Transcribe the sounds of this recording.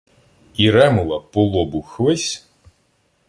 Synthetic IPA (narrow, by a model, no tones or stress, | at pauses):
iɾɛmʊlˠɐpɔlˠɔbʊxʋɪsʲ